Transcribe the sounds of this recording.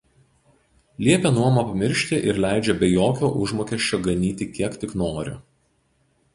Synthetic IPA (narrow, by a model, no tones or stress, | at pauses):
lʲiɛpʲɛnuɔmɐpɐmʲɪɾʲʃʲt̪ʲɪʔɪɾlʲæˑɪd͡ʒʲɛbʲɛjoːkʲoːʔʊʒmoːkʲɛʃʲt͡ʃʲoːɡɐnʲiːt̪ʲɪkʲiɛkt̪ʲɪknoːɾʲʊ̰